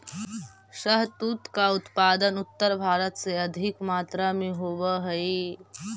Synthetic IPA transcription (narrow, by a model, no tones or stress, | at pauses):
ɕəɦt̪uːt̪kaut̪pad̪ənut̪ːəɾbʱaːɾət̪seəd̪ʱikmaːt̪ɾamiːɦoʋəɦəi